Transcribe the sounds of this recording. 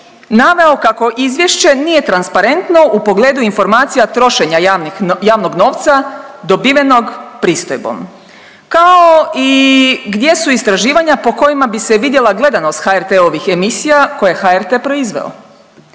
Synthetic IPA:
naʋe̞o̞kako̞ʔizʋje̞ʃt͡ɕe̞nije̞t̪ɾanspaɾe̞nt̪no̞ʔupo̞ɡle̞ːd̪uinfo̞ɾmaːt̪sijat̪ɾo̞ʃe̞ɲaajaːʋno̞ɡno̞ːʋt̪sad̪o̞biʋe̞no̞ɡpɾiːst̪ojbo̰m | kaoiɡd̪je̞suist̪ɾaʒiːʋaɲapo̞ko̞jimabise̞ʋid̪je̞lˠaɡle̞d̪ano̞st̪xaeɾt̪eo̞ʋixe̞misijako̞jexaeɾt̪epɾo̞izʋḛo̰

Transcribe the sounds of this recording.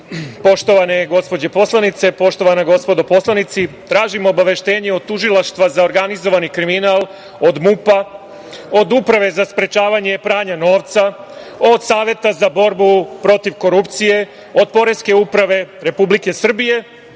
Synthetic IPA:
po̞ʃt̪o̞ʋaneɡo̞spo̞d͡ʑepo̞slˠanit̪se̞po̞ʃt̪o̞ʋanaɡo̞spo̞d̪opo̞slˠanit̪sit̪ɾaːʒimoːbaʋe̞ʃt̪e̞ːɲeo̞d̪̚t̪ːuʒilaʃt̪ʋazao̞ɾɡanizo̞ʋanikɾiminalˠ | o̞d̪mupa | od̪upɾaʋe̞zaspɾe̞t͡ʃaːʋaɲe̞pɾaːɲano̞ːʋt̪sa | o̞d̪saːʋje̞t̪azabo̞ɾbupɾo̞t̪iʋko̞ɾupt̪sije̞ | o̞d̪̚po̞ɾe̞ske̞upɾaʋe̞ɾe̞publike̞sr̩bije̞

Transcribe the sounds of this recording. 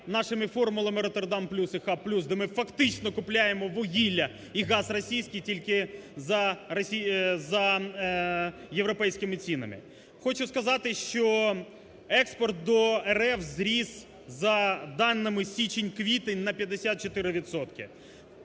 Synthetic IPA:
nɑʃɪmɪfɔrmʊlˠɐmɪɾɔt̪erd̪ɑmplʲusɪxɑpːlʲusd̪ɛmɪfɐkt̪ɪt͡ʃnɔkʊplʲajemɔʋɔɦʲilʲːɐ | iɣɑzrɔsʲijsʲkʲijtʲilʲkɪzɐrɐsʲizɐ | jeʋɾɔpɛjsʲkɪmɪt͡sʲinɐ̰mɪ̰ | xɔt͡ʃʊskɐzɑt̪ɪʃt͡ʃɔ | ɛkspɔrt̪̚d̪ɔɛɾɛfzɾʲiz | zɐd̪ɑnːɪmɪsʲit͡ʃenʲkʋʲit̪ɪnɐpʲjɐd̪ːesʲat̪̚t͡ʃɔt̪ɪɾɪʋʲit̪sɔt̪kɪ

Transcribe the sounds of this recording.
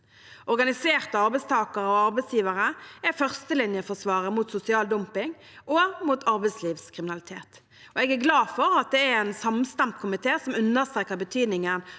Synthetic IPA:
ʔɔʁɡɑnɪseːʁt̪əɑʁbɛɪst̪ʰɑːkəʁəɔɑʁbɛɪsjiːʋəʁəæfœʁst̪əlɪnjəfɔʁsʋɑːʁəmuːt̪sʊsɪɑːld̪ɔmpɪŋ | ʔomuːt̪ʰɑʁbɛɪsliːʋskʰʁɪmɪnɑlɪt̪ʰeːt̪ | ɔɛɡæɡlɑːfɔʁɑt̪̚d̪ɛæɛnsɑmst̪ɑmt̪kʰʊmɪt̪ʰeːsɔmʉnːəʁst̪ɾeːkəʁbət̪ʰyːd̪nɪŋən

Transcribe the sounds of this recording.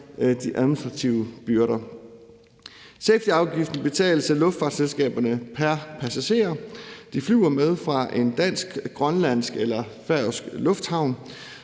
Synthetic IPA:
d̥iʔæðˠminisd̥ʁɑ̈t͡sʰiʊəb̥yɐɾɐ | sefd̥iɑ̈ʊɡ̥ifd̥n̩b̥e̝t͡sʰɛ̰ːləsælɔ̽fd̥fɑ̈ːd̥selsɡ̥ɛ̰ːb̥ɐnəpʰæɐpʰæsæɕe̝̰ːɐd̥iflyʊɐmeð̞ˠfʁɑ̈ʔe̝nd̥æn̰sɡ̥ɡ̥ʁɶnlæn̰sɡ̥elɐ | fæɐsɡ̥lɔ̽fd̥hɑ̈ʊ̰n

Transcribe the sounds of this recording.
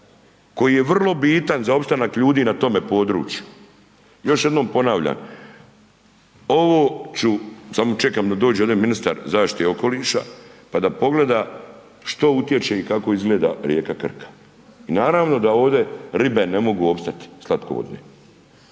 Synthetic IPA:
ko̞jiːje̞ʋr̩lˠo̞biːt̪anzao̞pst̪anakʎuːd̪iːnat̪o̞me̞po̞ːd̪ɾṵːt͡ʃju | jo̞ʃje̞d̪no̞ːmpo̞naːʋʎa̰ːn | o̞ʋoːt͡ʃusamot͡ʃekamd̪ad̪oːd͡ʑeod̪eminist̪a̰ɾzaːʃt̪i̥t̪eo̞ko̞liːʃa̰pad̪apo̞ɡle̞d̪a | ʃt̪o̞ut̪je̞t͡ʃeikako̞izɡleːd̪a̰ɾje̞ːkakr̩kʰḁ | inaːɾaːʋno̞d̪ao̞ːʋd̪e̞ɾibenemo̞ɡuo̞pst̪at̪i̥slˠat̪koʋo̰d̪nḛ

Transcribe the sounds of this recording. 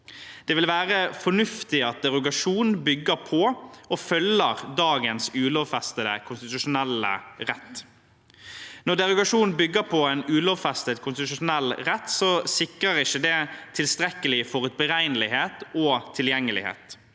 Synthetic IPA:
d̪̥ɛʋɪlʋæːʁəfɔnʉft̪ɪɑt̪̚d̪ɛʁʊɡɑʂuːnbʏɡːəɾpʰɔɔfœlːəʁd̪ɑːɡənsʉːloʋfɛst̪əd̪əkʰʊnst̪ɪt̪ʉʂʊnɛlːə̰ɾɛt̪ː | nɔʁd̪ɛʁʊɡɑʂuːnn̩bʏɡːəɾpʰɔɛnʉːlɔːʋfɛst̪əd̪kʰʊnst̪ɪt̪ʉʂʊnɛlːɾɛt̪ːsɔsɪkɾəɾɪʃːəd̪ɛt̪ʰɪlst̪ɾɛkːəlɪfɔʁʉt̪̚bəʁæɪnəlɪheːt̪ɔt̪ʰɪljɛŋːəlɪ̰hḛːt̪

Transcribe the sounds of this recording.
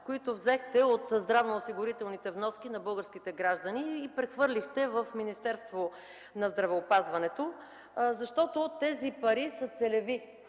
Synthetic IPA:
koit̪ovzɛxt̪ɛot̪zd̪ɾavnoːsiɡʊɾit̪ɛlˠnit̪ɛvnɔskinɐbɤlˠɡəɾsk̟it̪ɛɡɾaʒd̪ɐniːpɾɛxvɤɾlʲixt̪ɛvəfminist̪ɛɾst̪vo | nɐzd̪ɾɐvɛopazvɐnɛt̪o | zɐʃt̪ɔt̪ot̪ɛzipɐɾisət̪sɛlɛvi

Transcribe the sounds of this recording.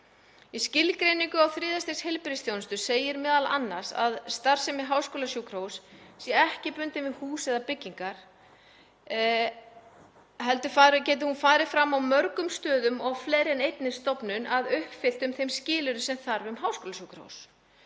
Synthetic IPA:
iscɪlkɾeːjniŋkʏawθɾɪːðast̪eshejlpɾɪstθʰjownʏst̪ʏseːjɪɾmɛːðala̰nːasa̰ðst̪aɾ̥sɛmɪɦawskoːlasjuːkʰɾowssjɛɛhcɪpʏnt̪ɪmvɪðhuːsɛðapɪcːiŋkaɾ̥ | hɛlt̪ʏfaːɾcɛːt̪̬ɪhunfaːɾɪfɾamːawmœɾkʏmst̪œːðʏmɔɣfleːɾɛnejt̪nɪst̪ɔpnʏnʔaðʏhpfɪl̥t̪ʏmθejmscɪːlʏɾʏsɛmθaɾvʏmɦaːwskoːlajukɾo̰ws

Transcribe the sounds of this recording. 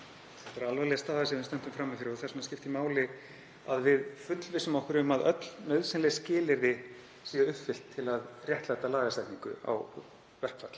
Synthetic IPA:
θɛ̥t̪vaɾalvalɛast̪aːðasɛvɪnst̪ɛn̥t̪ʏmfɾaːmːifjɪɾɪɔɣθɛrsmas̬cɪft̪imaːwlɪ | aðvɪðfʏt̪lvɪsʏmɔhkʏɾʏmaðœt̪lnœɥðsɪnlɛscɪːlɪɾðɪ | siːaʏhpfɪl̥t̪ʰːɪlaðrjɛht̪lajt̪alaːɣaslajt̪niŋkʏ̰a̰w | vɛr̥pfat̪l̥

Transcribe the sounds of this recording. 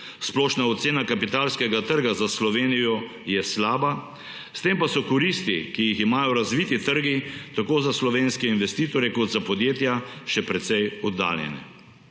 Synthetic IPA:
splɔːʃnaɔt̪seːnakapit̪aːlskɛɡat̪əɾɡazaslɔʋeːnijɔ | jɛslaːba | st̪empasɔkɔɾist̪ikijiximaːjɔɾazʋiːt̪it̪əɾɡit̪akoːzaslɔʋeːnskɛinʋɛst̪iːt̪ɔɾjɛkɔd̪zapɔd̪jeːt̪jaʃɛpɾɛt̪sɛjɔd̪ːa̰ːljɛ̰nɛ̰

